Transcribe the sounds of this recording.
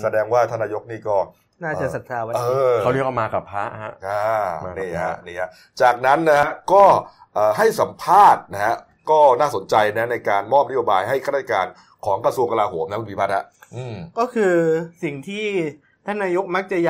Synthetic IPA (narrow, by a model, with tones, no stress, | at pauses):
sa˧dɛː˧ŋwaː˥˩t̪ʰa˥˩nːaː˧jo˦˥k̚niː˥˩kɔː˥˩ | naː˥˩t͡ɕa˨ʔsa˨˩t̪ʰaː˧wa˦ɤː˧a˥˩˨ni˦˥˦ka˥˩maː˧ka˨˩pʰːa˦˥ʔha˦˥a˧˩˧niː˧˩a̰˧˦˥niː˧˩ha˧˥ | t͡ɕaː˨˩k̚na˦˥nːa˦˥ha˦˥kɔː˥˩ | ʔɤː˨˩ɦa˥˩jsa˩˦mpʰaː˥˩t̪̚na˦˥ka˦˥ | kɔː˥˩naː˥˩so˩˦nt͡ɕa˧jna˦˥na˧jkaː˧nmɔː˥˩p̚na˦˥joː˧baː˧jɦa˥˩jkʰːɾa˦˥˩a˥˧˩ka̰ː˧n | kʰɔː˩˦ŋkɾa˧su˧əŋka˧laː˧ɦoː˩˦mn˧˦˥ku˧˩pʰiː˦pʰa˦˥t̪̚ha˦˧˥ʔɯː˧˩mkɔː˥˩kʰɯː˧si˨˩ŋt̪ʰiː˥˩ | t̪ʰa˥˩naː˧jo˦˥k̚ma˦˥k̚t͡ɕa˨˩ja˨